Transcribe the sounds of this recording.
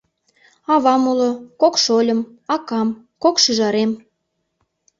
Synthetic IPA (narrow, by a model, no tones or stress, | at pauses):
ɑβɑmulŏkokʃolʲə̆m | ɑkɑm | kokʃyʒɑɾem